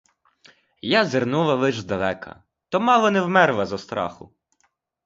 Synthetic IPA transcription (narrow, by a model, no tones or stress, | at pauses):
jazernulˠɐʋɪʒzd̪ɐlˠɛkɐ̰ | t̪ɔmɑlˠɔnɛwmɛɾlˠɐzɐst̪ɾɑ̰xʊ̰